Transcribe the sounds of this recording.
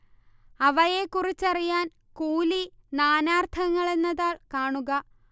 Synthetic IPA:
ɐʋɐje̞kːurit͡ɕːɐrijaːn | kuːlinaːnaːrt̪ʰɐŋːɐɭe̞nːɐðaːɭkaːɳuɣɐ

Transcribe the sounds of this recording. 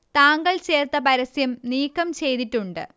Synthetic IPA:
t̪aːŋɡɐɭt͡ɕe̞ːrt̪ːɐpɐɾɐsjɐmniːkːɐmt͡ɕe̞jt̪itːuɳɖɨ̰

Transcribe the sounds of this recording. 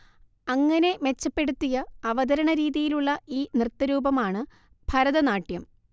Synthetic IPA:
ɐŋːɐne̞me̞t͡ɕːɐpːe̞ɽut̪ːijɐɐʋɐd̪ɐɾɐɳɐɾiːðijiluɭːɐiːnrɨt̪ːɐɾuːbɐmaːɳɨ | b̥ʱɐɾɐðɐnaːʈjɐm

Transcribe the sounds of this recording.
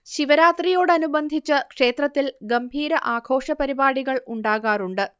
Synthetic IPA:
ɕiʋɐɾaːt̪rijo̞ːɽɨɐnubɐnd̪ʱit͡ɕːɐkʂe̞ːt̪rɐt̪ːilɡɐmbʱiːɾɐʔaːɡʰʱo̞ːʂɐpɐɾibaːɽiɣɐɭuɳɖaːɣaːruɳɖɨ

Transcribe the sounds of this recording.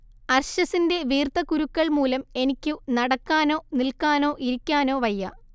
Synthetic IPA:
ɐrɕɐsinde̞ʋiːrt̪ɐkuɾukːɐɭmuːlɐme̞nikʲːunɐɽɐkːaːno̞ːnilkaːno̞ːʔiɾikʲːaːno̞ːʋɐjːɐ

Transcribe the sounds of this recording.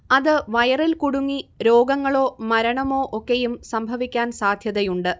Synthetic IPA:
ɐðɨʋɐjɐrilkuɽuŋːiɾo̞ːɡɐŋːɐɭo̞ːmɐɾɐɳɐmo̞ːʔokːejumsɐmbʱɐʋikʲːaːnsaːd̪ʱjɐðɐjuɳɖɨ

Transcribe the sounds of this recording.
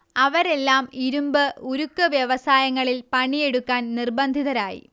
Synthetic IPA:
ɐʋɐɾe̞lːaːmiɾumbɨuɾukːɨʋjɐʋɐsaːjɐŋːɐɭilpɐɳije̞ɽukːaːnnirbɐnd̪ʱiðɐɾaːjḭ

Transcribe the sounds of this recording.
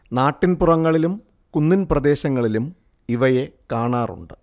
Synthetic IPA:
naːʈːinpurɐŋːɐɭilum | kunːinprɐd̪e̞ːɕɐŋːɐɭilum | iʋɐje̞kaːɳaːrṵɳɖɨ

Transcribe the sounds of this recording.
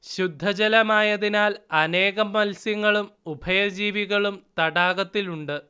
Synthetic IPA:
ɕud̪ʱːɐd͡ʑɐlɐmaːjɐðinaːlɐne̞ːɣɐmːɐlsjɐŋːɐɭumubʱɐjɐd͡ʑiːʋiɣɐɭumt̪ɐɽaːɣɐt̪ːiluɳɖɨ

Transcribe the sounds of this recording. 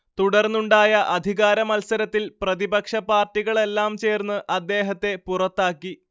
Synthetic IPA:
t̪uɽɐrnːuɳɖaːjɐʔɐd̪ʱiɣaːɾɐmɐlsɐɾɐt̪ːilprɐðibɐkʂɐpaːrtːiɣɐɭe̞lːaːmt͡ɕe̞ːrnːɨʔɐd̪ːe̞ːɦɐt̪ːe̞purɐt̪ːaːkːi

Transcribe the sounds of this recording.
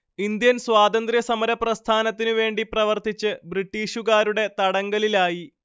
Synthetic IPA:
ind̪jɐnswaːd̪ɐnd̪rjɐsɐmɐɾɐprɐst̪ʰaːnɐt̪ːinɨʋe̞ːɳɖiprɐʋɐrt̪it͡ɕːɨbriʈːiːɕuɣaːɾuɽe̞t̪ɐɽɐŋɡɐlilaːji

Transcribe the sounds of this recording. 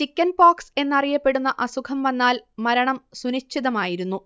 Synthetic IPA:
t͡ɕikʲːɐnbaːkse̞nːɐrijɐpːe̞ɽunːɐʔɐsukʰɐmʋɐnːaːlmɐɾɐɳɐmsunɐt͡ɕʰːiðɐmaːjiɾunːu

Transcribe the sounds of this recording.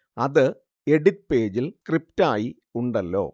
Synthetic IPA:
ɐðɨ | eɽit̚pe̞ːd͡ʑilkrip̚taːji | uɳɖɐlːo̞̰ː

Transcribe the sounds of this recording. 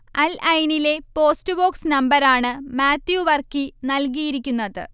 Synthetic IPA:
ɐlʔɐjnile̞po̞ːstɨbo̞ːksnɐmbɐɾaːɳɨmaːt̪juʋɐrkinɐlk̬ijiɾikʲːunːɐðɨ̰

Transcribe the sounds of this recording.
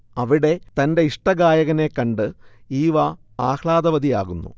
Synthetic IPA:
ɐʋiɽe̞t̪ɐnde̞iʂʈɐɡaːjɐɣɐne̞kːɐɳɖɨiːʋɐ | aːkʰɭaːd̪ɐʋɐd̪ija̰ːɣunːṵ

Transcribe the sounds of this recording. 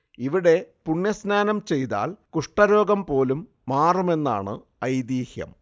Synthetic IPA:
iʋiɽe̞puɳjɐsnaːnɐmt͡ɕe̞jt̪a̰ːlkuʂʈɐɾo̞ːɡɐmpo̞ːlumːaːrume̞nːa̰ːɳɨ̰ | ɐjd̪iːhjɐ̰m

